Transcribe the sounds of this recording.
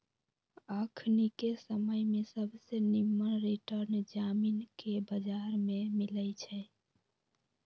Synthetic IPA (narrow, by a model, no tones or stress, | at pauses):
əkʰnikesəməjmesəbʱsenimːənɾiʈəɾnd͡ʒaminkebəd͡ʒaɾmemilət͡ʃʰɛ